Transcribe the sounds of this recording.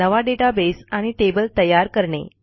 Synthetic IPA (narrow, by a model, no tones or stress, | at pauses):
əʋaɖeʈabesaɽ̃iʈebəlt̪əjaɾkəɾɳḛ